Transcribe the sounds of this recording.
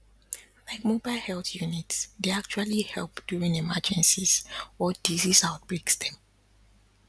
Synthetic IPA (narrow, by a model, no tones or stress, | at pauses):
laɪkmobaɪlˠhɛlθjunitsdeak̚t͡ʃualihɛlˠpd̥uɹĩŋimad͡ʒɛ̃nsizɔd̥izisaʊt̚b̥ɹeksdɛ̃m